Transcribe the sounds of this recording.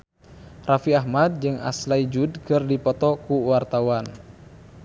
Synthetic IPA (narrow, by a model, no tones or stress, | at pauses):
rafiaɦmad̪̚d͡ʒɨŋa̰slaid͡ʒud̚kɨrdipɔt̪ɔkuwart̪awan